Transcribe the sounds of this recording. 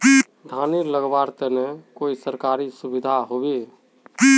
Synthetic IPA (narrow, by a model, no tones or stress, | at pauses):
d̪ʱaniləɡbaɾt̪enekoisəɾkaɾisubid̪ʱaɦobe